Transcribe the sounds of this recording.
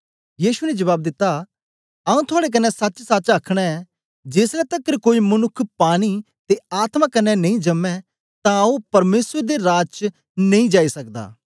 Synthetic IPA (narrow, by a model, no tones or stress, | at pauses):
jiːʃunɛd͡ʒɐʋaːb̚d̪ɪt̪ːa | ɐũt̪ʰʊaːɽek̬ɐnːɛsɐt͡ʃsɐt͡ʃakʰɽ̃ɛɛ | d͡ʒeːslɛt̪ɐkːəɾkoːimɐnʊkʰːpaːɽ̃i | t̪eaːt̪mãkɐnːɛnɐ̃ĩd͡ʒɐmːɛ̃ | t̪ãupɐɾmeːsɾd̪eɾaːd͡ʒt͡ʃ | nẽĩd͡ʒaːisɐkd̪a̰ː